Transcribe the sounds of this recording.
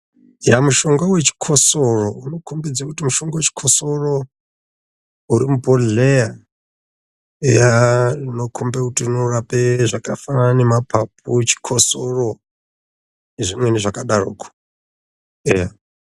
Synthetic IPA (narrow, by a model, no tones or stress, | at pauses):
jamuʃo̞ŋɡawe̞t͡ʃi̥kʰosorouno̞kʰombid͡zakutimuʃoŋɡawet͡ʃi̥kʰosoro | uɾimupoleja | ejarino̞kʰombakutirinorapeʐakafanaanemapʰap̚ut͡ʃi̥kʰosoro | eʐimweneʐakaɗaro̰ːkʰo̥ | eja